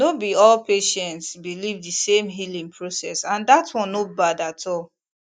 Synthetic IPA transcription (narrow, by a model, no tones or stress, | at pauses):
nobiɔlpeʃɛ̃ntsbilivdisẽmɦilĩŋpʰɹosɛsãndatʰwɔ̃nobadatʰɔl